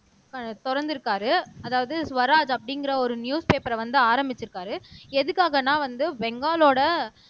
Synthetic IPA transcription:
kɐt̪ɔɾɐɾnd̪ɪɾɯkːaːɾɯɐðaːʋɐðɯsʋɐɾaːd͡ʒɐpːɐɽɪŋɡɪɾɐɔɾɯnjuːspeːpɐɾɐʋɐnd̪ɯaːɾɐmbɪt͡ʃːɯɾɯkːaːɾɯɛðɯkːaːɣɐnːãːʋɐnd̪ɯʋɛŋɡaːloːɽɐ

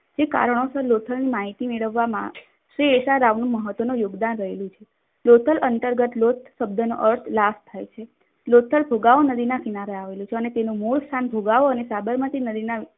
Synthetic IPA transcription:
d͡ʒeka̰ɾəɳ̃osəɾlot̪ʰəlnimaɦit̪imeɭəʋːamã̰ | ʃɾieʃaɾaʋnũməɦət̪ʋənũjoɡd̪anɾəɦelũt͡ʃʰe | lot̪ʰəlʔənt̪əɾɡət̪lot̪ʰʃəbd̪ʱəno̰ʔəɾt̪ʰlast̪ʰːajt͡ʃʰe | lot̪ʰəlbʱoɡaʋonəd̪inakinaɾeaʋelũt͡ʃʰeənet̪enomuɭst̪ʰanbʱoɡaʋoənesabəɾmət̪inəd̪ina

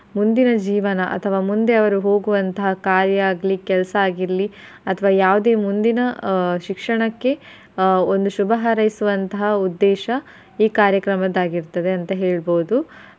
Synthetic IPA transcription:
mund̪inɐd͡ʒiːʋɐnɐʔɐ̰t̪ʰɐʋaːmund̪eɐʋɐɾuɦo̞ːɡuʋɐnt̪ɐɦɐkaːɾjɐaːɡlikɛlɐsɐaːɡiɾɐli | ɐt̪ʰɐʋaːjaːʋud̪e̞ːmund̪inɐʃikʂɐɳɐkːe̞ | ond̪uʃubɐɦaɾɐjisuʋɐnt̪ɐɦɐud̪ːɛːʃɐ | iːkaːɾjɐkɾɐmɐd̪aːɡiɾt̪ːɐd̪e̞ɐnt̪ɐɦeːɭboːud̪u

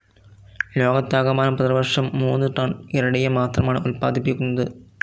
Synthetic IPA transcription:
loːɣɐt̪ːaːɣɐmaːnɐpɐðɾɐʋɐrʂɐmːuːnːɯʈɐɳiɾɐɽɐjɐmaːt̪rɐmaːɳɨulpa̰ːðipːikʲːunːɐðɯ

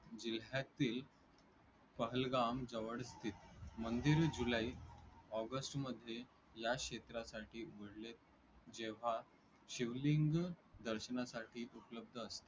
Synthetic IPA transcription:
d͡ʑil̤jat̪iːl | pəɦəlɡamd͡zəʋəɽst̪ʰiːt̪mənd̪iɾd͡ʑulaiːɔɡəsʈməd̪ʱːje | jakɕet̪ɾasaʈiːʋəɽlet̪̚ | d͡ʑeʋ̤a | ɕiʋliŋɡd̪əɾɕənasaʈʰiːʔupləb̚d̪ʱəːst̪e

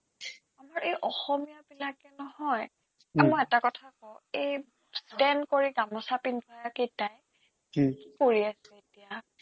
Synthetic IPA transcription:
amaɹejʔɔxɔmijabilakɛnɔhɔj | amɔjɛtakɔtʰakɔej | stɛnkoɹiɡamɔsapinbʱɔjaketaj | koɹiasɛetija

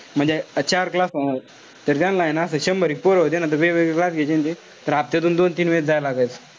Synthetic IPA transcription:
m̤əɳd͡zeət͡ɕaɾklasəna | t̪əɾt̪jãnlaenaəsəɕəmbəɾik̚poɾɦot̪enat̪əʋeʋekklasɡʱet͡ɕẽnt̪e | t̪əɾap̚t̪et̪uːnd̪ont̪iːnʋed͡zajlaɡəjt͡s

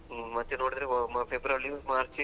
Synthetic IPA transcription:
mɐt̪ːenoːɽid̪ɾepʰebɾɐlimaːɾt͡ʃ

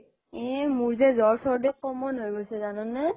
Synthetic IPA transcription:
ɛ̃muɹzezɔɹsɔɹdekɔmɔnɦojɡojsɛzanɔnːa

